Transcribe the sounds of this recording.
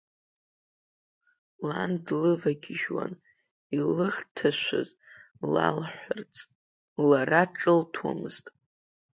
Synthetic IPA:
landlɨvaɡʲɪʒwa̰n | ilɨχtʰaʃʷa̰z | la̰lħʷart͡sʼ | laraʈ͡ʂʼɨltʰwa̰mɨz̥tʼ

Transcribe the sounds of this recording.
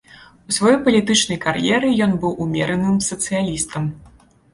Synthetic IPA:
usʲvajɔjpɐlʲit̪ɨt͡ʂnɐjkarjɛɾɨjɔnbɨwʔumʲɛ̰ɾɐnɨmsɐt̪sɨjalʲist̪ɐm

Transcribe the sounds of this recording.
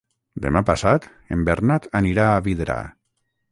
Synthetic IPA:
d̪ḛmapasat̪ | ḛmbeɾnat̪aniɾaːβiðeɾa̰

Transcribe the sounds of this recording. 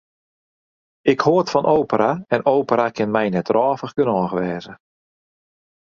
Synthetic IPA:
ɪkhoətfɔnʔoːwpəɾʔaɛnowpəɾakɪnmɛjnɛtrɔːfəxɡənɔːxʋɛːzə

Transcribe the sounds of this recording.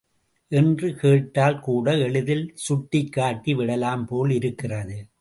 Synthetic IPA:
ʔɛndrɯkeːʈːaːlkuːɽɐɛɭɯðɪlsʊʈːɪkːaːʈːiʋɪɽɐlaːmpoːlɪɾɯkːɪrɐðɯ

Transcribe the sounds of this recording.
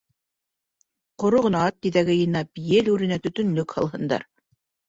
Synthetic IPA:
qŏɾoʁɤ̆nɑɑt̪̚ːiðæɡɘjɤ̆nɑpjɘlʉɾɘ̆næt̪ɵ̆t̪ɵ̆nlɵkhɑ̰lˠɦɤ̆nd̪ɑ̰ɾ

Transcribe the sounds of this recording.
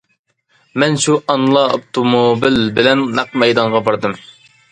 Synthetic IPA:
mɛnʃuʔɑnlˠɑo̰p̚t̪ʰomobilbɪlɛnːɑqmɛjd̪ɑɴʁɑbɑɾd̪ɨm

